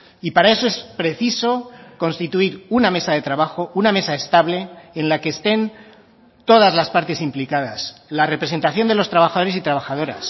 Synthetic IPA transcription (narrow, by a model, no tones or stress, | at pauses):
ipaɾae̞so̞e̞spɾe̞θiso̞ko̞nst̪it̪uiɾuname̞saðe̞t̪ɾaβaxo̞uname̞saest̪aβle̞ːnlakeːst̪e̞n | t̪o̞ð̞azlaspaɾt̪e̞simplikað̞aslare̞pɾe̞se̞nt̪aθjo̞nd̪elo̞st̪ɾaβaxaðo̞ɾesit̪ɾaβ̞axað̞o̞ɾa̰s